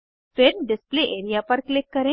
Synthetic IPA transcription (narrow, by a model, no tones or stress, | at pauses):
feɾɖɪspleʔeɾijapəɾklɪkːəɾẽ